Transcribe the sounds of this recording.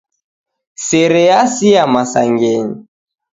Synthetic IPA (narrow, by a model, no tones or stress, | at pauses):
sɛɾɛasiamasaŋɡɛɲi